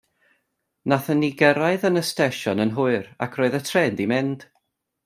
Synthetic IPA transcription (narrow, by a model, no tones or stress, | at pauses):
naθəniɡəɾaɨðənəstɛʃɔnənɦʊɨra̰kʰroːɨðətʰrɛndimɪnd̥